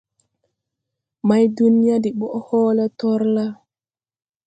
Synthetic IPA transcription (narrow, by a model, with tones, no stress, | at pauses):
ma˦jdu˦ni˦ja˦di˨ɓɔ˦ʔhɔ˦la˦tɔ˦ɾla˦